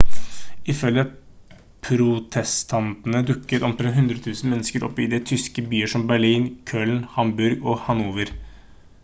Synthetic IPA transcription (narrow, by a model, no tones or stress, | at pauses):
ɪfœljə | pʰɾʊt̪ʰɛst̪ʰɑnt̪ənəd̪ʉkːət̪ɔmt̪ʰɾɛɦʉnd̪ɾət̪ʰʉːsn̩mɛnːəskəɾɔ̰pːɪd̪ɛt̪ʰʏskəbyːəʂɔmbæɭiːnkʰøːlnhɑmbʉɾɡɔhɑnuːʋəɾ